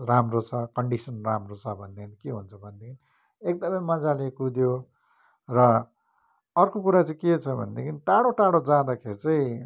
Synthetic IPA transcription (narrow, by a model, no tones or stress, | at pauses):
ramrot͡sʰʌkʌɳɖisʌnramrot͡sʰʌbʱʌnd̪ekʰnikeɦunt͡sʰʌbʱʌnd̪ekʰini | ek̚d̪ʌmʌjmʌd͡zalekud̪jo | rʌ | ʌrkokuɾat͡saĩket͡sʰʌbʱʌ̰nd̪ekʰiniʈaɽoʈaɽod͡zãd̪akʰeɾit͡saĩ